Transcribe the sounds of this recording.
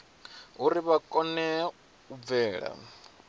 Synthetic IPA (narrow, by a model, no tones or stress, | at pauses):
ɦuɾiβakʼɔnɛ | ub̪vɛːɺa̰